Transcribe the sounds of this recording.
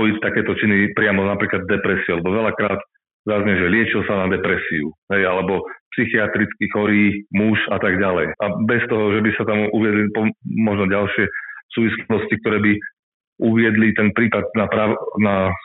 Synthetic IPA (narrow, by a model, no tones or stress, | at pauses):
ɔjict̪akɛːt̪ɔt͡ʃinipɾɪamɔnapɾiːklad̪ːɛpɾɛsiualɛbɔʋɛlakɾaːd̪ | zazɲɛʒɛlɪɛt͡ʃilsanad̪ɛpɾɛsiuɦɛjalɛbɔpsixiat̪ɾit͡skixɔɾiːmuʃat̪aɡɟalɛjʔabɛst̪ɔɦɔʒɛbisat̪amuʋɪɛd̪lipɔmɔʒnɔɟalʃɪɛsuːʋisnɔscik̚t̪ɔɾɛːbi | ʔuʋɪɛd̪lit̪ɛnpɾiːpad̪̚napɾaːna